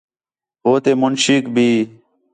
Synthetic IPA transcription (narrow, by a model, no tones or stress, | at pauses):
ɦoːt̪eːmʊnʃikbʱiː